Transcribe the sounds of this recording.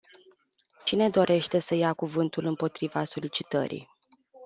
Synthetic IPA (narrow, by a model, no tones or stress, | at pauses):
t͡ʃine̞d̪o̞ɾʔe̞ʃt̪e̞səjakuvɨnt̪ulɨmpo̞t̪ɾivaso̞lit͡ʃi̥t̪ə̰ɾḭj